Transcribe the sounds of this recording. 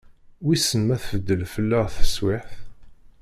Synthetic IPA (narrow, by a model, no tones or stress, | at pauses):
wisənmæθvəd̪ːəlfəlːəʁθəswɪħθ